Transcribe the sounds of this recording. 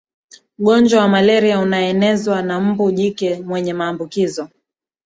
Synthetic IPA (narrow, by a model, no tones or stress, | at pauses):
uɠɔɲd͡ʒwawamalɛɾiaunaɛnɛzwanam̩buʄikɛmwɛɲɛmaːmbukizɔ